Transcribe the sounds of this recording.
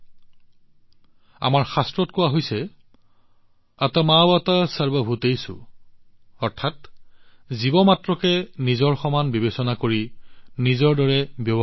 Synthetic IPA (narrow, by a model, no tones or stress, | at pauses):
a̰maɹxastɹɔtkʊwaɦojsɛ | atamawatasaɹbabʱutejsʊ̰ | ɔɹtʰat | zibɔmatɹɔkɛnizɔɹxɔmanbibesɔnakoɹinizɔɹdɔɹɛbjɔb